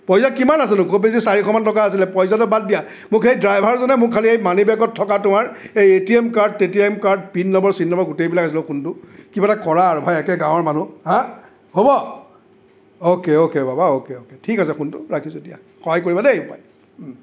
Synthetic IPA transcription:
pɔjzakimanasɛnʊkobes̬isaɹikʰɔmantɔkaas̬ilɛpɔjzatʊbad̚dija | mʊkxejdɹajbʱaɹzɔnɛmʊkʰːaliejmanibaɡɔtʰːɔkatʊmaɹejetiemkaɹd̚etiɛmkaɹd̚pinːɔbɔɹsinːɔbɔɹɡutejbilakasilɔkuntʊkibatakɔɹaɹʊbʱajɛkɛɡãw̃ɔɹmanuɦã | hobɔ | okeokebabaokeoketʰikasɛkuntʊɹakʰizodija | xɔɦajkoɹibadeepaj

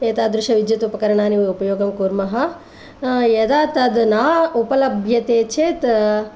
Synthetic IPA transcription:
eːt̪aːd̪ɾʃɐʋid̪jɐt̪upɐkɐɾɐɳaːniʋiupɐjoːɡɐmkuːɾmɐɦɐ | jed̪aːt̪ɐd̪naːupɐlɐbʱjɐt̪eːt͡ʃʰeːt̪

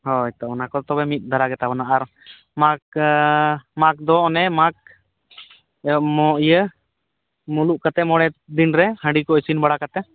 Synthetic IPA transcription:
hɔɛt̪aɔnakɔt̪ɔbɛmit̪̚ˀd̪ʱaɾaɡɛt̪abɔnaʔaɾ | mak | mak̚d̪ɔːnɛmak̚ | mɔʔjə | muluʔkat̪ɛmɔɽɛd̪inɾɛhə̃ɳɖikɔisinbaɽakat̪ɛ

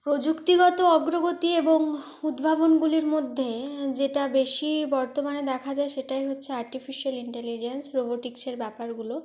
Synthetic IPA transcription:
pɾod͡ʑukt̪iɡɔt̪oɔɡɾoɡot̪ieboŋ | ud̪bʱabonɡuliɾmod̪ʱːed͡ʑeʈabeʃibɔɾt̪omaned̪ɛkʰad͡ʑaeʃeʈajɦotːɕʰeaɾʈifʰiʃialiɳʈelid͡ʑensɾoboʈikseɾbɛpaɾɡulo

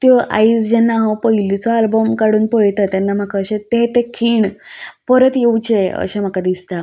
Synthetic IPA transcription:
t̪joʔa̰isd͡ʑɛnːaɦəpəilit͡sɔalbəmkaɽuːnpəɭt̪ət̪janːam̤akaːɕẽt̪et̪ekʰiːɳpəɾət̪jeut͡ɕeə̰ɕem̤akad̪ist̪a

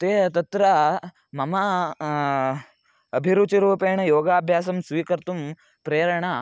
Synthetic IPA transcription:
t̪eːt̪ɐt̪ɾɐ | mɐmɐ | ɐbʱiɾut͡ʃiɾuːpeːɳɐjoːɡaːbʱjaːsɐmsʋiːkɐɾt̪um | pɾeːɾɐɳa

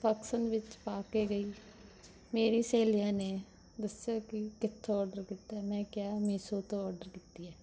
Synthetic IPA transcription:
pəksənʋɪt͡ʃpaːkeːɡəiː | meːɾiːseːlɪjãːneː | d̪əsjaːkɪkɪt̪ʰːõɔːɾɖəɾkit̪aːɛmɛ̃ːkɪjaːmiːsoːt̪õːɔːɾɖəɾkiːt̪ːiɛː

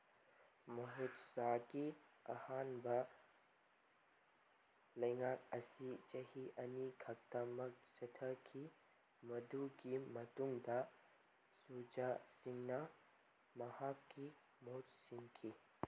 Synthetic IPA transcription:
mɐɦut̪sakiɐ̰haːnbɐ | lɐjŋak̚ɐsit͡ʃɐhiʔɐniɡʱɐk̚t̪amɐk̚t͡ʃɐtʰɐkʰi | mɐd̪uɡimɐt̪uŋd̪a | sud͡ʒasiŋnɐ | mɐhakːi | mot̪siŋkʰi

